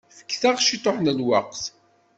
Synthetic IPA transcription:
fə̥kːθaʁʃit̪ˤoħnəlwɑqθ

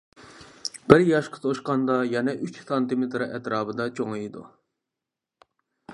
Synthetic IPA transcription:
bɪɾjɑʃqʰɑ̥t̪ʰoʃqɑnd̪ɑjɛnɛʔyt͡ʃsɑnt̪ɨmet̪ɾɨʔɛt̪ɾɑːbɨd̪ɑt͡ʃʰoŋɨjid̪ṵ

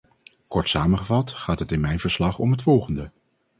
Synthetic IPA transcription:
kɔɹtsaːməχəvɑtχaːtɦətɪnmɛjnvəɹslɑχɔmɦətfɔlˠχəndə

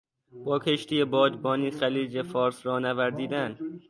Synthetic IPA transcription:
b̥ɒːkʰeʃt̪ʰijebɒːd̪bɒːniːxæliːd͡ʒefɒːɾsɾɒːnævæɾzd̪iːd̪æn

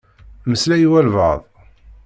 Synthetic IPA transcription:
məslæjiwælvə̰ðˤ

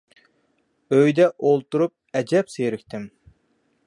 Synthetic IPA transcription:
øjd̪ɛʔolˠt̪uɾup̚ɛd͡ʒɛpsejɾɪkʲt̪ʰɪm

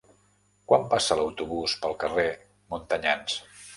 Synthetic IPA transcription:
kwampasələwt̪uβuspəlˠkəre | munt̪əɲans

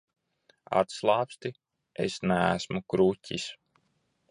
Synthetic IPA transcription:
a̰t̪slˠɑːpst̪i | ḛsnæ̰ːsmukɾucʲḭs

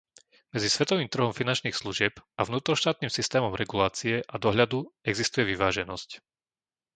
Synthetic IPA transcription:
mɛd͡zisʋɛt̪ɔʋiːmt̪r̩ɦɔmfinant͡ʃniːxsluʒɪɛpʔavnuːt̪ɾɔʃt̪aːt̪niːmsist̪ɛːmɔmɾɛɡulaːt͡siɛʔad̪ɔɦʎad̪uɛɡzist̪ujɛʋiʋaːʒɛnɔsc

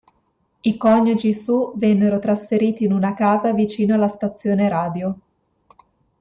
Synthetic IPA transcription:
ikɔɲːod͡ʒisuvɛnːeɾot̪ɾasfeɾiːt̪iːnunakaːzavit͡ʃiːnoalːast̪at̪sːjoːneɾaːd̪jo

